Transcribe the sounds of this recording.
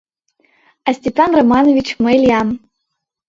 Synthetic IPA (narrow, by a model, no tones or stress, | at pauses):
asʲtʲepanromanovʲit͡ɕmelʲjam